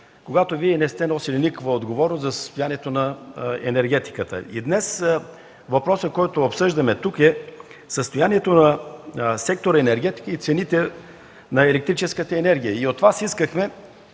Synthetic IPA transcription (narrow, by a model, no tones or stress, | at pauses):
koɡat̪oviɛnɛst̪ɛnɔsilʲinikvəod̪ɡovɔɾnoszɐsə̥st̪ʊjaniɛt̪onɐɛnɛɾɡɛt̪i̥kət̪ə̰id̪nɛs | vɐpɾɔsəkɔjt̪oopsɤʒd̪əmɛt̪ukɛ | səst̪ojaniɛt̪onɐsɛk̚t̪oɾəɛnɛɾɡʲɛt̪i̥kəit̪sɛnit̪ɛ | nɐɛlɛk̚t̪ɾit͡ʃɛskət̪əɛnɛɾɡʲijəiot̪ːvasiskəxmɛ